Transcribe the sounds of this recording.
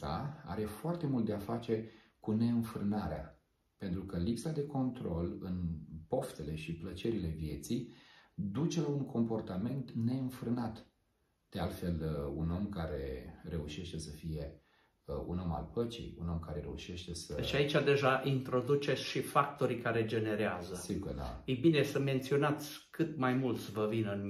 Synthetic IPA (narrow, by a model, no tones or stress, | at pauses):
a̰a̰ɾe̞foart̪e̞mult̪̚d̪eafat͡ʃe̞ | kune̞ɨnfɾɨnaɾea̰ | pe̞nt̪ɾukəlipsad̪e̞ko̞nt̪ɾo̞lɨnpo̞ft̪e̞le̞ʃiplət͡ʃe̞ɾile̞vje̞t̪sijd̪ut͡ʃe̞lauŋkʰo̞mpo̞rt̪ame̞nt̪ne̞ɨnfɾɨnat̪ | d̪̥ealt̪fe̞luno̞mkaɾe̞̰ɾe̞uʃe̞ʃt̪e̞səfije̞ | ṵno̞ma̰lpət͡ʃḭjuno̞mkaɾe̞ɾe̞uʃe̞ʃt̪e̞səʃait͡ʃad̪e̞ʒaʔint̪ɾo̞d̪ut͡ʃe̞t̪sʲʃifak̚t̪o̞ɾikaɾe̞d͡ʒe̞ne̞ɾeazəst̪iɡkəd̪a̰ejbine̞səme̞nt̪sio̞nat̪sʲkɨt̪majmult̪sʲvəvinɨn